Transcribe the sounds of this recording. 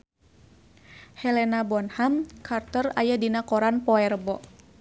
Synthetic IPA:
hɛlɛnabɔnhamkʰart̪əra̰jadinakɔɾanpɔɛrbɔ

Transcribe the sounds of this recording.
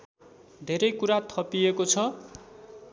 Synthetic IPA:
d̪ʱeɾʌjkuɾat̪ʰʌpiekot͡sʰʌ

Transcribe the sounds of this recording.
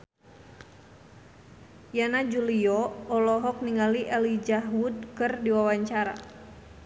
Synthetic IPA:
janad͡ʒuliɔɔlɔɦɔk̚niŋaliʔɛlid͡ʒaɦwud̚kɨrdiwawaɲt͡ʃaɾa̰

